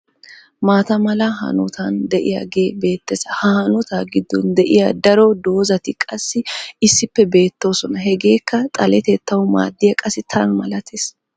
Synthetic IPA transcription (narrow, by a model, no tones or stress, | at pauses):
maːt̪ɐmɐlɐɦɐ̰nʊt̪ʰand̪ɛʔɪja̰ːɡe̞ːbe̞ːt̪ːɛzɐhɐhɐnʊt̪aɡɪd̪ːɔnd̪ɛʔɪjaːd̪ɐɾod̪o̞ːzɐt̪ɪkʼɐsːɪɪsːɪpːɛbe̞ːt̪ːo̞ːsɔnɐɦɛɡe̞ːkːɐt̪ʼɐlɛt̪ɛt̪ːɐwʊma̰ːd̪ːɪjɐkʼɐsːɪt̪ʰɐnmɐlɐt̪ʰeːs